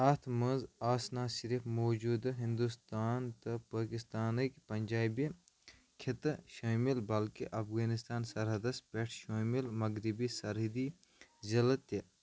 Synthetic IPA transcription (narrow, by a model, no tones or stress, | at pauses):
ɐːt̪ʰmɐ̃nzaːsnaːsiɾifmoːd͡ʒuːd̪ɦind̪ust̪aːnt̪ɐpaːkist̪aːnəkpɐnʲd͡ʒaːbi | kʰɪt̪ʃaːmilbɐlkiʔɐfɣaːnist̪aːnsɐɾɦɐd̪ɐspeʈʰʃaːmilmɐɡɾibisɐɾɦid̪i | zɐlət̪e